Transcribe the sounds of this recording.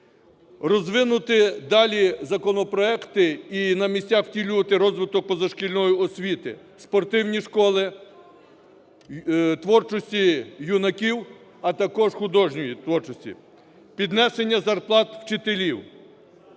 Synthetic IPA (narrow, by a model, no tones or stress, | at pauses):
rɔzʋɪnʊt̪ɪd̪ɑlʲizɐkɔnɔpɾɔɛkt̪ɪinɐmʲisʲtʲaxwtʲilʲuʋɐt̪ɪɾɔzʋɪt̪ɔk̚pɔzɐʃkʲilʲnɔjʊɔsʲʋʲit̪ɪ̰ | spɔrt̪ɪwnʲiʃkɔlˠɪ | t̪ʋɔrt͡ʃɔsʲtʲijunɐkʲiw | ɐt̪ɐkɔʒxʊd̪ɔʒnʲɔjit̪ʋɔrt͡ʃɔsʲtʲḭ | pʲid̪nɛse̞nʲːɐzɐrplˠɑt̪wt͡ʃɪt̪elʲiw